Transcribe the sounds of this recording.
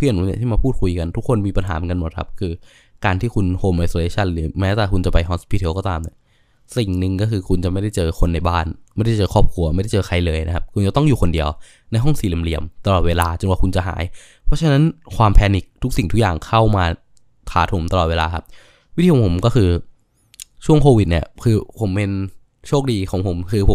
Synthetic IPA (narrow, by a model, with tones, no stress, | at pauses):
pʰɯ˥˩ənu˨˦ni˨˩t̪iː˥˩maː˧pʰuː˥˩t̪̚kʰu˧jka˧nt̪ʰu˦˥kʰːo˧nmiː˧pa˧nɦaː˩˦m˧nka˧nmo˨˩kʰa˦˥p̚kʰɯː˧ | kaː˧nt̪ʰiː˥˩kʰu˧nhoː˧mʔa˧soː˧leː˧˥t͡ɕʰa˥˩nːi˧˨˩mɛː˦˥t̪aː˨˩kʰu˧nt͡ɕa˨˩pa˧jɦɔː˧˦˥nspʰiː˧˥t̪ʰi˧˦wkɔː˥˩aː˧mni˧˩ | si˨˩ŋnɯ˨˧ŋkɔː˥˩kʰɯː˧kʰu˧nt͡ɕa˨˩ʔma˥˩jda˥˩jt͡ɕɤː˧kʰo˧nːa˧jbaː˥˩nma˥˩jda˥˩t͡ɕɤː˧kʰɔː˥˩p̚kʰu˧ɐma˥˩jda˥˩jt͡ɕɤː˧kʰa˧jlɤː˧jna˦˥kʰa˦˥p̚kʰu˧nt͡ɕa˨˩t̪ɔ˥˩ŋju˨˩kʰo˧ndi˧əw | na˧jɦɔ˥˩ŋsiː˨˦li˨˩əmli˨˩əmt̪a˧lɔː˨˩t̪̚weː˧laː˧t͡ɕo˧nwaː˨˩kʰu˧nt͡ɕa˨˩ɦa̰ː˩˦j | pʰɔ˦˥t͡ɕʰa˧na˦˥nkʰwaː˧mpʰɛː˧ni˨˩k̚t̪ʰu˦˥k̚si˨˩ŋt̪ʰu˦˥kjaː˨˩ŋkʰa˥˩wmaː˧ | t̪ʰaː˩˦t̪ʰo˨˩˦mt̪a˧lɔː˨˩t̚weː˧laː˧kʰa˦˥p̚ | wt̪ʰiː˧˩˨pʰo˩˦mkɔː˥˩kʰɯː˧ | t͡ɕʰu˥˩əŋkʰoː˧wi˨˩t̪̚ni˥˩ɐkʰɯː˧pʰo˨˩˦mpe˧n | t͡ɕʰoː˥˩k̚diː˧kʰɔː˨˦ŋpʰo˩˦mkʰɯː˧pʰo˩˦